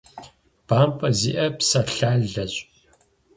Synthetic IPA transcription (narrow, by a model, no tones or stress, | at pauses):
b̥aːmpʼɐzḭːʔɐpsɐɬaːɮɐɕʼ